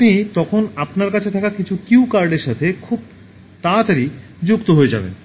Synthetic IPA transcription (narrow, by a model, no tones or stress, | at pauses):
nit̪ɔkʰonapnaɾkat͡ɕʰet̪ʰakakit͡ɕʰukiwkaɾɖeɾʃat̪ʰekʰub̚ | t̪ãt͡ɕaɾi | d͡ʑukt̪oɦoed͡ʑa̰bḛn